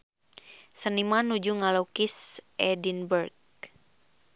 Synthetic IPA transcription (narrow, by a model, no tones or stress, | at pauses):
sənimanud͡ʒuŋalokisʔɛdinbərɡ